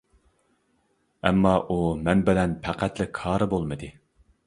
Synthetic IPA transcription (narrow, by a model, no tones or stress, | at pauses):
ɛ̰mːɑʔumɛnbɪlɛnpʰæqʰæt̪lɪkʰɑːɾɨbolˠmɨd̪ɨ